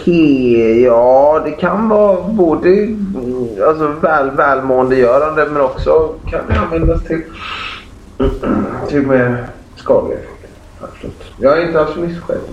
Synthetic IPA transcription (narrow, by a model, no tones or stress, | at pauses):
hejɑːd̪ɛkʰanvɑːboːd̪ə | als̬ɔvɛːlvɛːlmoːənd̪əjœːɾand̪əmɛnɔksɔkʰa̰nd̪ɛa̰nvɛnd̪ast̪ʰɪl | t̪ʰɪlmɛ | skɑ̰ːd̪lɪ̰ | ha̰lfəɾʉ̰ːt̪jɑːaɾɪnt̪əalsɔmɪsːɧɛ̰d̪